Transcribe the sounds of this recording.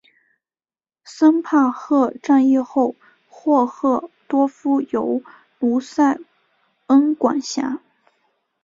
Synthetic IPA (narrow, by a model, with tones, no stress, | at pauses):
sə˥npʰa˥˧xɤ˥˧ʈ͡ʂa˥˧njɛ˥˧xo˥˩ʊ | xwɔ˥˧xɤ˥˩t̪wɔ˥fu˥jo˧˥ʊ | lu˧˥sa˥˩ɪ | ə˥nkwa̰˨˩nɕja̰˧˥